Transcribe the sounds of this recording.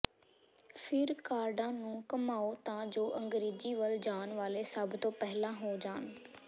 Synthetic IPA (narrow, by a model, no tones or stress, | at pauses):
fʰɪɾkaːɾɖãːnũːkəmaːoːt̪ãːd͡ʒoːʔəŋɡɾeːd͡ʒiːʋəld͡ʒaːnʋaːleːsəbt̪õːpɛɦlãːɦoːd͡ʒaːn